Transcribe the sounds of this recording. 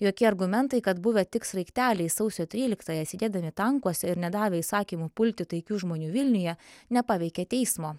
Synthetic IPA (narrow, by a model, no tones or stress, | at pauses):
joːkʲɪɐɾɡʊmʲɛnt̪ɐɪkɐt̪bʊʋʲɛt̪ʲɪksɾɐɪkt̪ʲæːlʲɛɪsɐʊsʲoːt̪ʲɾʲiːlʲɪkt̪ɑːjɛsʲɪd̪ʲeːd̪ɐmʲɪt̪ɐŋkuɔsʲɛɪɾnʲɛd̪ɑːʋʲeɪsɑːkʲiːmupʊlʲt̪ʲɪt̪ɐɪkʲuːʒmoːnʲuːʋʲɪlʲnʲʊjɛnʲɛpɑːʋʲɛɪkʲɛt̪ʲɛɪsmoː